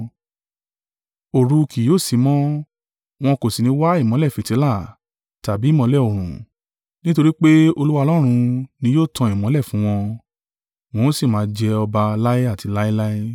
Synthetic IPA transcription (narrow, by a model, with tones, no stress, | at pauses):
o˨ɾu˧kʰi˨joː˦˨si˨˦mɔ̃˦ | w̃ɔ̃˧ko˨si˨nĩ˧˦wa˦i˦˨mɔ̃˨˦lɛ˦˨fĩ˨te˨˦la˦˨ | ta˨bi˨˦˨mɔ̃˧˦lɛ˦˨o˨ɾ̃ũ˨ | nĩ˦to˧ɾi˦k͡pe˦o˧lu˦wa˧lɔ˦ɾ̃ũ˧nĩ˧joː˦˨tʰã˧i˨mɔ̃˨˦lɛ˦˨fũ˨˦w̃ɔ̃˧ | w̃ɔ̃˧˦si˦˨mãː˨˧˦d͡ʒɛ˧ɔ˧ba˧la˦e˦a˦˨ti˨˧la˦i˦la˦i˦